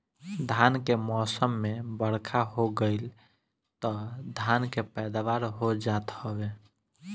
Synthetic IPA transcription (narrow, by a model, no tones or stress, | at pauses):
d̪ʱankemɔsəmːebəɽkʰaɦoɡəɪl | t̪ɔd̪ʱankepɛd̪aʋaɾɦod͡ʒat̪hɔbe